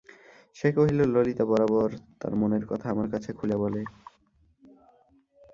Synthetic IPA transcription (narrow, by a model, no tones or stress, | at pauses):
ʃekoɦilololit̪abɔɾabɔɾt̪a̰ɾmoneɾkɔt̪ʰaamaɾkat͡ɕʰekʰulebɔle